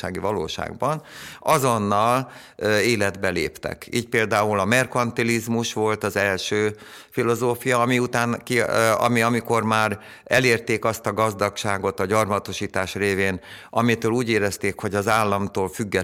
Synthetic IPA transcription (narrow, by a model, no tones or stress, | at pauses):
a̰ːɡivɒlo̰ːʃa̰ːɡbɒnɒzo̞nːɒl | eːlɛd̪bɛlḛːpt̪ɛ̰kḭːc̚peːld̪aːulɒmɛrkɒnt̪ilizmuʃʋo̞lt̪ɒzɛlʃøː | filo̞zoːfijɒːmiut̪aːnkiɒ̰miɒmiko̞rmaːr | ɛleːrt̪eːkɒst̪ɒɡɒzd̪ɒkʃaːɡo̞t̪ɒɟɒrmɒt̪o̞ʃiːt̪aːʃreːveːnʔɒmit̪øːluːɟeːɾɛst̪eːkho̞ɟɒzaːlːɒmt̪oːlfyɡːɛ